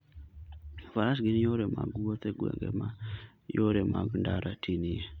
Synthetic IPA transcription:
faɾasɡinjoɾema̰ɡuwot̪eɡwḛŋɡḛma | joɾemaɡndaɾatʰinie

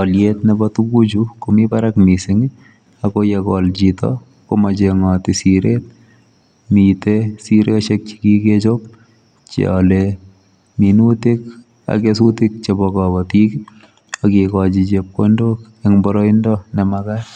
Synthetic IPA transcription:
ɔljet̪nɛbɔtuɡud͡ʒukomibaɾakmisɪŋi | akojɛkɔld͡ʒitɔ̰ | komat͡ʃeŋɔtɪsiɾet̚ | mitesiɾet͡ʃek̚t͡ʃi̥kiket͡ʃop | t͡ʃɔ̰le | minutik | a̰kesutɪk̚t͡ʃebɔkɔbɔtik | ɔkikɔd͡ʒit͡ʃep̚kondok | ɛŋbɔɾɔindɔnɛmaka

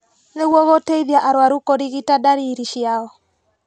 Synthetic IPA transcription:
neɣwɔɣoteiðjaʔaɾwaɾukoɾiɣitadaɾiɾiʃjaɔ

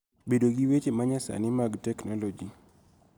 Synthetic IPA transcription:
bedoɡiwet͡ʃemaɲasa̰nɪmaɡtɛknɔlɔd͡ʒi

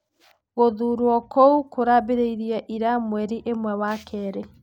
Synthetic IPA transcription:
ɣoðuɾwɔkoukʰoɾabeɾeiɾjaʔiɾamwɛɾiʔemwɛwakʰɛːɾɛ

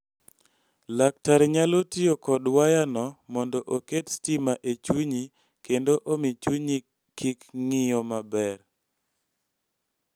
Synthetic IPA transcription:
lak̚taɾɲalotiokɔdwajanɔmɔndɔʔoketstimaʔet͡ʃuɲi | kendoʔomit͡ʃuɲi | kikŋɪjɔmabɛr

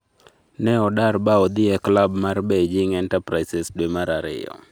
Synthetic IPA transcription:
nɛɔdarbaɔd̪ɪɛklabmarbɛd͡ʒɪŋɛntapɾasɛsdwemaɾaɾɪ̰ɔ̰

